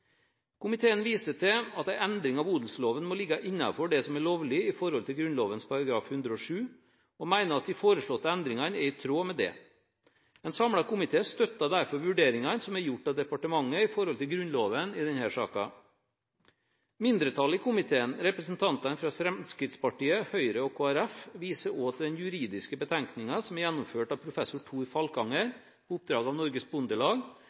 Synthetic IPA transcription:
kʰʊmɪt̪ʰeːənʋiːsəʈʰɛɑt̪æɪʔɛnd̪ɾɪŋɑʋuːd̪l̩sloːʋənmɔlɪɡːɑʔɪnːɑ̰fɔɖɛsɔmæɭoːʋlɪɪfɔɾhɔlt̪ʰɪlɡɾʉnloːʋənspʰɑɾɑɡɾɑːfhʉnd̪ɾəɔʂʉː | ɔmæɪnəɾɑt̪̚d̪ɪfoːɾəʂɭɔt̪ːəɛnd̪ɾɪŋɑnɛɾɪt̪ʰɾoːmɛd̪ɛ̰ | ɛnsɑmɽɑkʊmɪt̪ʰeːst̪œt̪ːɑd̪æɾfɔɾʋʉɖeːɾɪŋɑnsɔmɛɾjʊʈːɑd̪ɛpɑʈəmɑŋːəɪfɔɾhɔlt̪ɪlɡɾʉnloːʋənɪd̪ɛnhæːʂɑ̰ːkɑ̰ | mɪnd̪ɾət̪ʰɑlɪkʊmɪt̪ʰeːənɾɛpɾəsn̩t̪ʰɑnt̪ɑnfɾɑfɾɛmskɾɪt̪spɑʈiːəhœʏɾəɔkʰoːæɾæfʋiːsəoːt̪ʰd̪ɛnjʉɾiːd̪ɪskəbət̪ʰæŋknɪŋɑsɔmɛɾjɛnːʊmføːʈɑʋpʰɾʊfɛsʊʈʰuːɾfɑlkɑŋːəɾ | ʊp̚d̪ɾɑːɡɑʋnɔɾɡəsbʊnd̪əɭɑːɡ

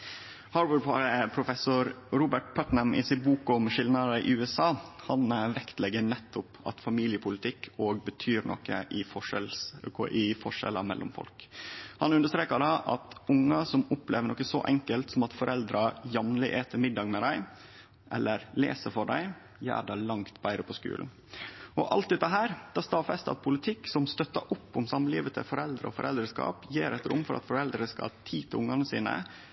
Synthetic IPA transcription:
hɑːɖwəpʰɑɾəpʰɾʊfɛsʊɾɾuːbəʈ̚pʰœt̪nəmʔɪ̰sɪt̪buːkʊmʂɪlnɑɾəʔɪ̰ʉːɛsɑːhɑnʋɛkt̪lɛɡənɛt̪ːʊpɑ̰t̪fɑmiːlɪəpʰʊlɪt̪ʰɪkʰːoːɡbət̪ʰyːɾɳʔɔ̰kːə̰ʔɪfɔɛlʔɪfɔʂɛ̰lːəmɛ̰lːʊ̰mfɔ̰lkhɑnʉnd̪əʂt̪ɾeːkɑdɑʔɑ̰t̪ʊŋːɑsɔmʊplḛːʋəɳɔkːəsɔ̰ʔɛŋkəlt̪sɔmɑt̪fɔɾʔɛld̪ɾɑjɑmnlɪʔeːt̪ʰəmɪd̪ːɑːɡmɛd̪æɪ | ʔɛlːəɾlḛːsəfɔɖæɪ | jæ̰ːɖɑlɑŋt̪bæɪɾəpʰɔskʉ̰ːln̩ | ɔʔɑ̰lt̪̚ɛt̪ːɑɦæːɾd̪̥ʰɑːst̪ɑːfɛst̪ɑ̰t̪̚pʰʊlɪt̪ʰɪkːsɔmst̪œt̪ːɑʔʊpːʊmsɑmːliːʋət̪ʰə̰fɔɾɛld̪ɾəɔfɔɾɛ̰ld̪ɾəskɑ̰ːpjeːɾæɪt̪ɾʊ̰mːfɔɾʔɑ̰t̪fɔɾɛld̪ɾəskɑ̰lt̪ʰiːt̪ʰɪʊŋːɑnəsḭːnə̰

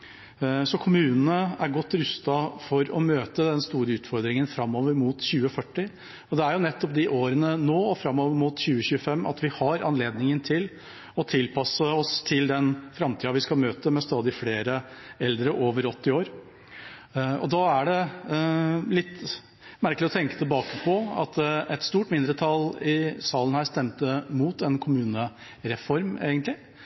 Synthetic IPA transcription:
sɔkʰʊmʉːnən̩əæɾɡɔt̪ːɾʉst̪ɑfɔɾɔ̰møːt̪əd̪ɛnst̪uːɾəʉːt̪fɔɾd̪ɾɪŋənfɾɑmːoːʋəɾmuːt̪çʉːəfœʈːɪ | ɔd̪ɛæɾjʊnɛt̪ːɔp̚d̪ɪʔoːɾənənoːɔfɾɑmːoːʋəɾmuːt̪ɕʉːəçʉːəfɛmːʔɑ̰t̪ʋɪhɑɾɑ̰nleːd̪nɪŋənt̪ʰɪl | ɔt̪ʰɪlpʰɑsəɔst̪ʰɪld̪ɛnfɾɑmt̪ʰiːɑʋɪskɑlmøːt̪əmɛst̪ɑːd̪ɪfleːɾəɛld̪ɾəʔoːʋəɾɔt̪ːɪoːɾ | ɔ̰d̪ɑæɖɛ | lɪt̪ː | mæɾklɪɔt̪ʰɛŋkə̥t̪ʰɪlbɑːkəpʰɔɑ̰t̪ɛt̪st̪uːʈmɪnd̪ɾət̪ʰɑlɪsɑːlən̩hæːʂt̪ɛmt̪əmuːt̪ɛnkʰʊmʉːnə | ɾɛfɔɾmeːɡənt̪lɪ

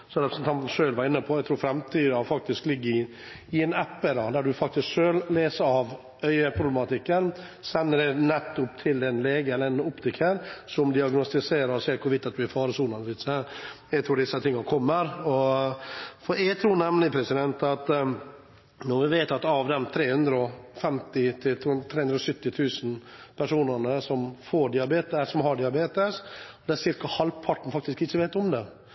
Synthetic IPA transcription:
sɔmɾɛpɾəsn̩t̪ɑnt̪n̩ʂøːlʋɑɾɪnːəpʰɔɛɪt̪ʰɾuːɾfɾɛmt̪ʰyːd̪əɑfɑk̚t̪ɪsklɪɡːəɾɪ | ɪɛnæpːəd̪ɑd̪æɖʉfɑk̚t̪ɪskʂøːlleːsəɾɑʋ | œʏəpʰɾʊblɛmɑt̪ʰɪkːən | sɛnːəɖ̪ɛnɛt̪ːʊpt̪ʰɪld̪ɛnleːɡɛlːəɛnʊpt̪ʰɪkʰːəɾsɔmd̪ɪɑɡnɔst̪ɪseːɾəɾɔsɛːkʰʊɾʋɪt̪ːɑt̪̚d̪ʉæɾfɑːɾəsuːnɑnəʋɪt̪sæɾ | ɛɡt̪ɾuːɖ̪ɪsːət̪ʰɪŋːɑnkʰɔmːəɾɔ | fɔɾɛɡt̪ʰɾuːɳɛmnɪpʰɾɛsɪd̪ɛnt̪ɑt̪ | nɔɾʋɪʋeːt̪ɑt̪ɑʋd̪ɛmt̪ʰɾeːhʉnd̪ɾəɔfɛmt̪ɪt̪ʰɪt̪ʰːt̪ʰɾeːʉnɾɔsʏt̪ːɪt̪ʰʉːsnpʰæʂuːnəɾɳəsɔmfoːɖɪɑbeːt̪ɛsɔmɦɑɖɪɑbeːt̪əsɔd̪ɛæsɪɾkɑhɑlʋpʰɑʈːn̩fɑkt̪ɪskɪt͡ʃːəʋeːt̪ɔmd̪ɛ

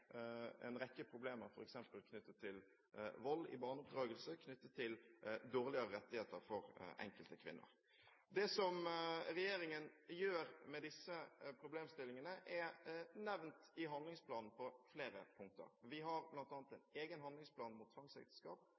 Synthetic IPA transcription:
ɛ̰nɾɛkːəpʰɾʊbleːməɾfɔɾɛksɛmpəlkʰnʏt̪ːət̪ʰːɪl | ʋɔlːɪ̰bɑːʁnʊp̚d̪ɾɑːɡəlsəkʰnʏt̪ːət̪ʰːɪld̪oːʁlɪəɾəɾɛt̪ːɪheːt̪əɾfɔɾʔɛ̰ŋkəlt̪əkʰʋɪ̰nːʊ̰ɾ | d̪ɛsɔmɾɛjeːɾɪŋənjøːɾmɛd̪ɪsːəpʰɾʊbleːmst̪ɪlːɪŋənəʔɛnɛʋnt̪ɪɦɑnd̪lɪŋspʰlɑːnn̩pʰɔfleːɾəpʰʊŋk̚t̪ə̰ɾʋɪɦɑɾblɑnt̪ɑːnt̪ɛneːɡənɦɑnd̪lɪŋspʰlɑːnmʊt̪ʰːʋɑŋsɛ̰k̚t̪ə̥skɑ̰ːp

